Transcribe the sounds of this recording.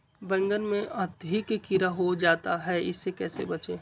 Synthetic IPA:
bɛ̃ŋɡəɾmẽʔɐt̪ɦikekɪɾaɦod͡ʒaːt̪aɦɛɪ̰sːekɛːsḛbɐt͡ʃeː

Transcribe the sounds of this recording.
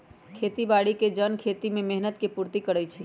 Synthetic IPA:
kʰet̪ibaɽiked͡ʒənkʰet̪imemɛɦnət̪kepuɾt̪ikəɽəjt͡ʃʰɛ

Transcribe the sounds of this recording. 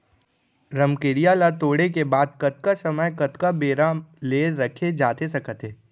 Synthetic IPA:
ɾɐmkeːɾijalat̪oːɽekebaːd̪kɐt̪̚kasɐməjkɐt̪kabeːɾaleːɾɐkʰed͡ʒaːt̪esɐkət̪ɦeː

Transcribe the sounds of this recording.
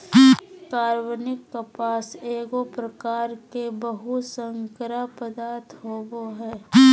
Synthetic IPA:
kaːɾwənɪkːəpaːseːɡopɾəkaːɾkebəɦusə̃ŋkɾapəd̪aːɾt̪ʰɦoːboɦɛː

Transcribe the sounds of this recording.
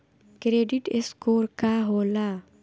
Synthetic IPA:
kɾeːɖɪʈeskoːɾkaɦoːla

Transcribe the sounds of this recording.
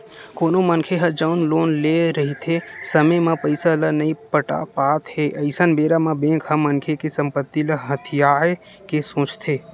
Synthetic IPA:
koːnomənkʰeɦəd͡ʒəʊnloːnleɾəɦit̪ʰesəməjmãpəɪsalənəĩpəʈa̰paːt̪ʰɦeʔəɪsənbeːɾamãbẽːkɦəmːənkʰekesə̃mpət̪ːiləɦət̪ʰijaːe | kesõːt͡ʃt̪ʰeː

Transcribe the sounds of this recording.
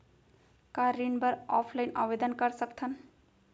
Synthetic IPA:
kaɾiɳbəɾɔpʰlaɪnʔə̰bed̪ənkəɾsəkt̪ʰən

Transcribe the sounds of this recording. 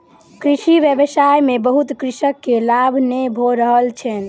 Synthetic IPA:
kɾiʃiʋjəbəsajmebəɦut̪kɾisəkːelabʱnebʱoɾəɦəlt͡ʃʰɛn

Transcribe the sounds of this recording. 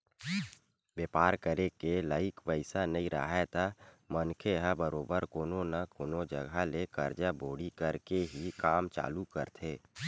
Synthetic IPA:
ʋeːpaːɾkəɾekelaːɪkʋəɪsanɐĩɾə̰ɦɛt̪ʰa | mənkʰeɦabəɾoːbəɾkoːnonakoːnod͡ʒəɡʱalekəɾd͡ʒabʱoːɽikəɾkeɦikaːmt͡ʃa̰ːlukə̰ɾt̪ʰeː

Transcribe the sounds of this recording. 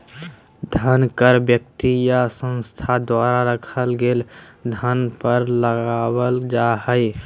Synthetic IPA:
d̪ʱənkəɾbjəkt̪ijasə̃nst̪ʰad̪waɾaɾəkʰəlɡeld̪ʱənpəɾləɡabəld͡ʒaɦə

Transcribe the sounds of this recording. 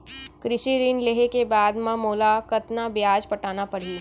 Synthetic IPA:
kɾɪʃiɾiːnleɦekebaːd̪mɐ̃moːlakɐt̪nabjaːd͡ʒpɐʈaːnapɐɽi

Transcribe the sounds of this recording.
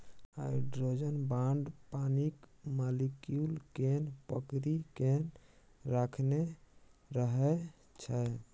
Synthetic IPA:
a̰jɖɾod͡ʒənbaɳɖpanikmalikjulkenpəkɾiken | ɾakʰne | ɾəɦɛ | t͡ʃʰə

